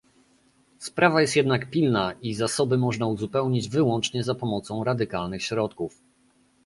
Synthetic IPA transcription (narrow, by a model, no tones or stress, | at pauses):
spɾʔavajɛst̪jɛd̪nakpʲilnaʔizasɔbɘmɔʐnauzupɛwɲid͡ʑvɘwɔnt͡ʂɲɛzapɔmɔt̪sɔ̃w̃ɾad̪ɘkalnɘxɕɾɔt̪kuf